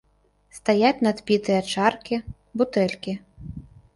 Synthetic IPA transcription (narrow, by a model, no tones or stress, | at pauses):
st̪ajat͡sʲnɐd̪bʲit̪ɨjɐt͡ʂarkʲi | but̪ɛlʲkʲi